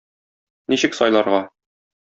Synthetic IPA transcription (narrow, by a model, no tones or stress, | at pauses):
niɕɘksɒjlˠɑɾʁɑ